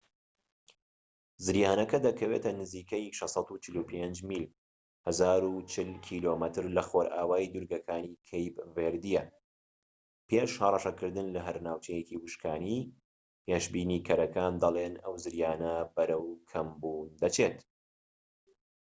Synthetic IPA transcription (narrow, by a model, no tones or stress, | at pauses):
zɨɾjaːnɐkɐd̪ɐkʰɐweːt̪ɐnɨziːkɐjʃɑsˤɑt̪ut͡ʃʰɪlupʰend͡ʒmiːl | hɐzaːɾut͡ʃʰɪlkʰiːloːmɐt̪ʰɨɾlɐxoɾʔaːwaːid̪uɾɡɐkʰaːnikʰejpveːɾd̪ijɛ | peːʃhɐrˤɑʃɐkɨɾd̪ɨnlɐɦɐɾnaːwt͡ʃʰɛjekiwɨʃkʰaːni | pʰeːʃbiːnikʰɐɾɐkaːnd̪ɐlˠenɐwzɨɾjaːnɐbɐɾɐwkʰɐmbuːnd̪ɐt͡ʃʰet̪